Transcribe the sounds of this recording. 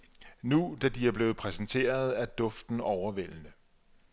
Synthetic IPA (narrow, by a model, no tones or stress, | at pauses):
nud̥æd̥iæɐb̥le̝ːð̩ˠpʰʁɛsn̩t͡sʰe̝̰ːɐð̞ˠæɐd̥ɔ̽fd̥n̩ɒʊɐʋel̰nə